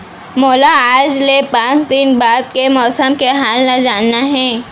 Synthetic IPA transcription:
moːlaaːd͡ʒlepãːt͡ʃd̪ɪnbaːd̪̚kemɔːsəmkeɦaːlnad͡ʒaːnːaɦɛ̃ː

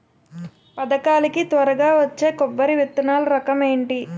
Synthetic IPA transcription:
pɐd̪ɐkaːlɐkit̪ʋɐɾɐɡaːʋɐt͡ʃːe̞ːkɔbːɐɾiʋit̪ːɐnaːluɾɐkɐmeːɳʈi

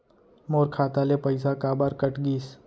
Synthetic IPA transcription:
moːɾkʰaːt̪aːlepəɪsakaːbaːɾkəʈɡiːs

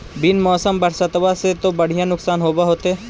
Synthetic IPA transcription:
bɪnmɔːsəmbɐɾsət̪ʋaset̪obɐɽ̤ijãnʊksaːnɦoːbaɦoːt̪eː

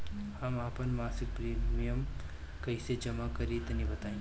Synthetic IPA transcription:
hɐmaːpənmaːsɪk̚pɾiːmijəm | kɐised͡ʒɐmakɐɾit̪nĩbɐt̪aːĩː

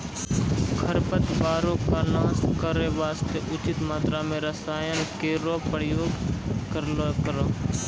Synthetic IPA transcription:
kʰəɾpət̪baːɾõkanaːskəɾeʋaːst̪eʔʊt͡ʃɪt̪maːt̪ɾamẽɾəsaːjənkeɾoːpəɾjoːɡkəɾkəɾoː

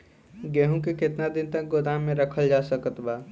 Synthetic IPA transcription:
ɡeɦũkekɪt̪nad̪ɪnt̪ək̚ɡod̪ãmẽɾəkʰəld͡ʒasəkət̪baː

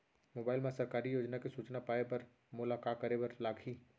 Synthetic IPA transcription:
mobaːɪlmẽsəɾkaːɾijoːd͡ʒnakesuːt͡ʃnapaːepəɾ | mʊlakakəɾebəɾlaːɡʱʰi

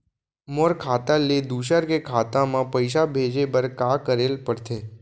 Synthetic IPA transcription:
moɾkʰat̪aled̪uʃəɾkekʰat̪ãmãpəjʃ̬abʱed͡ʒebəɾkakəɾelpəɽt̪ʰe

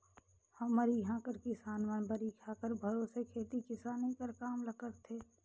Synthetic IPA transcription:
hɐmːəɾiɦãːkəɾkisaːnʋanbəɾiːkʰaːkəɾbʱəɾoːsekʰeːt̪ikɪsaːnĩkəɾkaːmləkəɾt̪ʰːeː

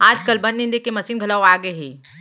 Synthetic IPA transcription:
aːd͡ʒkəlbɐ̃nd̪nɪ̃nd̪ekemɐsiːnɡʱɐləwaːɡəɦeː

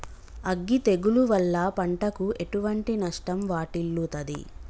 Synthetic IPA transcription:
ɐɡːit̪eɡuluʋɐlːɐpɐɳʈɐkuʔe̞ʈuʋɐɳʈinɐʂʈɐmʋaːʈilːut̪ɐd̪ḭ

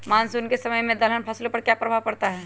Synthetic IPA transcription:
maːnsunkesɐməjmẽd̪ɐlənpʰɐslopɐɾkjapɾɐbʱaːʋpɐɽt̪aɦɛː

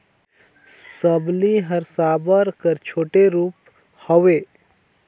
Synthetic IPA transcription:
səbliɦəɾsaːbəɾkəɾt͡ʃʰoːʈeɾuːp | hɔʋeː

